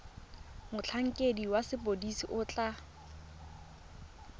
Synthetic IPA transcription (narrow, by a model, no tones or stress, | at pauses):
mʊt͡ɬʰaŋ̩kʼediwasɪpʼodisiʔʊt͡ɬʼa